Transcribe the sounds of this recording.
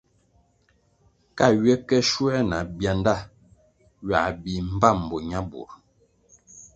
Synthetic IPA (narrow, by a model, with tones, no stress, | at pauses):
ka˦˨ɥɛ˦kɛ˦ʃwɛ˦na˨bja˨nda˦˨ | ɥa̰˨bi˨m̩˦ba˦˨m̩˨bɔ˨ɲa˦bṵ˨ɾ